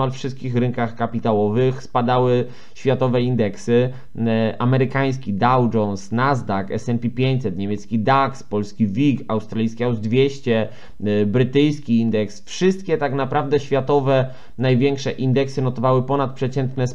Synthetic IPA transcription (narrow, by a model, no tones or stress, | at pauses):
alfʂɘst̪kʲixɾɘŋkaxkapʲit̪awɔvɘxspad̪awɘ | ɕfʲjat̪ɔvɛind̪ɛksɘ | amɛɾɘkaj̃s̬kʲid̪awd͡ʒɔnsnazd̪akɛ̰sɛnpʲipʲjeɲt͡ɕʲsɛt̪ɲɛmʲɛt̪skʲid̪akspɔlskʲivʲikawst̪ɾalʲijskʲiawzd̪vʲjɛɕt͡ɕɛ | bɾɘt̪ɘjskʲiind̪ɛksfʂɘst̪̚kʲɛt̪aknapɾavd̪ɛɕfʲjat̪ɔvɛ | najvʲjɛŋkʂɛʔind̪ɛksɘnɔt̪ɔvawɘpɔnat̪̚pʂɛt͡ɕɛnt̪nɛs